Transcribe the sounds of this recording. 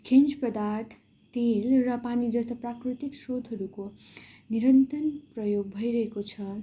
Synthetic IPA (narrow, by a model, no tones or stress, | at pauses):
kʰend͡zpʌd̪at̪ː | elrʌpanid͡zʌst̪ʌprakrit̪iksrod̪ʱɦʌɾuko | niɾʌnt̪ʌnprʌjoɡ̚bʱʌjɾʌɦekot͡sʰʌ